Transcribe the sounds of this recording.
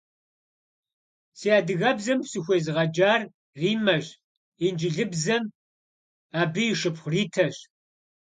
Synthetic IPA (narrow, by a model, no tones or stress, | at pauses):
siːaːdɨɣɐbzɐmpsɨxʷeːzɨʁɐd͡ʒaːr | riːmɐʑ | ind͡ʒɪɮɨbzɐm | aːbɨjɪʃɨpχʷʊriːtʰɐɕ